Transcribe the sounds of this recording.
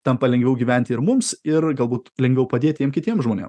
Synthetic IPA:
t̪ɐmpɐlʲɛŋʲɡʋʲɛʊɡʲiːʋʲɛˑnʲt̪ʲɪɪɾmʊmsɪɾɡɐlˠbuːt̪lʲɛŋʲɡʋʲɛʊpɐd̪ʲeːt̪ʲjʲiɛmkʲɪt̪ʲiɛmʒmoːnʲḭːm

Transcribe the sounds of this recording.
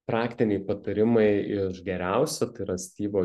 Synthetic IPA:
pɾɑːkt̪ʲɪnʲɛɪpɐt̪ɐɾʲɪmɐɪɪʃɡʲɛɾʲæʊsʲɛt̪ɐɪɾɐsʲt̪ʲiːboː

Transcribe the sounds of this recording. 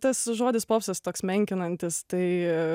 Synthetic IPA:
t̪ɐsʒoːd̪ʲɪspoːpsɐst̪oːksmʲɛŋʲkʲɪnɐnʲt̪ʲɪsst̪ɐɪ

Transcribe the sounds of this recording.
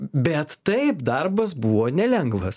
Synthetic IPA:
bʲɛt̪ːɐɪpd̪ɐɾbɐsbuːʋoːnʲɛlʲɛŋɡʋɐs

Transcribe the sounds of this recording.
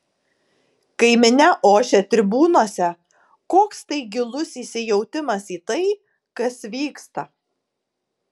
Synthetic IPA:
kɐɪmʲɪnʲɛʔoːʃʲɛt̪ʲɾʲɪbuːnoːsʲɛ | koːkst̪ɐɪɡʲɪlˠʊsiːsʲɪjɛʊt̪ʲɪmɐsiːt̪ɐɪ | kɐsʋʲiːkst̪ɐ

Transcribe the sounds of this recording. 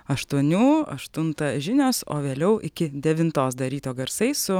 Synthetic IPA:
ɐʃt̪uɔnʲuːɐ̰ʃt̪ʊnt̪ɐʒʲɪnʲoːso̰ːʋʲeːlʲɛʊʔɪkʲɪd̪ʲɛʋʲɪnt̪oːsd̪ɐɾʲiːt̪oːɡɐɾsɐɪsʊ

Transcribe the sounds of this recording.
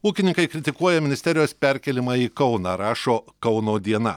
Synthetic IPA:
uːkʲɪnʲɪ̃ŋkɐɪkɾʲɪt̪ʲɪkuɔjɛmʲɪnʲɪst̪ʲɛɾʲɪjoːspʲɛɾʲkʲɛlʲɪmɑːiːkɒʊnɑɾɑːʃoːkɒʊnoːd̪ʲiɛnɐ̰

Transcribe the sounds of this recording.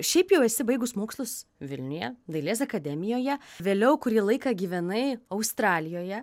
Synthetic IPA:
ʃʲɛɪpjɛʊɛsʲɪbɐɪɡʊsmoːkslˠʊsʋʲɪlʲnʲʊjɛ̰d̪ɐɪlʲeːs̬ɐkɐd̪ʲɛmʲɪjoːjɛʋʲeːlʲɛʊkʊɾʲiːlˠɐɪkɐɡʲiːʋʲɛnɐɪɐʊst̪ɾɑːlʲɪjoːjɛ

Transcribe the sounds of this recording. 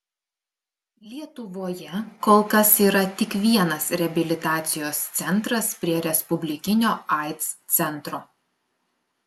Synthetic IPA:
lʲiɛt̪ʊʋoːjɛkoːlˠkɐsiːɾɐt̪ʲɪkʋʲiɛnɐsɾʲɛɐbʲɪlʲɪt̪ɑːt̪sʲɪjoːst̪sʲɛnt̪ɾɐspʲɾʲiɛɾʲɛspʊbʲlʲɪkʲɪnʲoːɑˑɪt̪st̪sʲɛnt̪ɾoː

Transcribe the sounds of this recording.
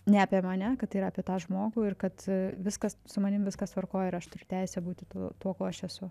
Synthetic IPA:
nʲɛɐpʲiɛmɐnʲɛkɐt̪ɐiːɾɐːpʲiɛt̪ɑːʒmoːɡuːɪrkɐt̪ʋʲɪskɐssʊmɐnʲɪmʋʲɪskɐst̪ʋɐrkoːjɪɾɐʃt̪ʊɾʲʊt̪ʲɛɪsʲɛbuːt̪ʲɪt̪uːt̪uɔkoːɐʃɛsʊ

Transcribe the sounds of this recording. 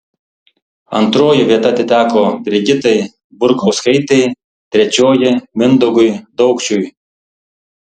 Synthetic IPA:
ɐ̰nt̪ɾoːjɪʋʲiɛt̪ɐt̪ʲɪt̪ʲæːkoːbʲɾʲɪɡʲɪt̪ɐɪ | bʊɾkɔʊskɐɪt̪ʲɛɪ | t̪ʲɾʲɛt͡ʃʲoːjɪmʲɪnd̪ʊɡʊjd̪ɔʊkt͡ʃʲuj

